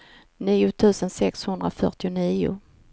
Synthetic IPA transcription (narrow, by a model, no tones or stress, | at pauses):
niːʊt̪ʰʉ̟ːsənsɛkshɵnd̪ɾafœ̰ʈɪʊniːʊ̰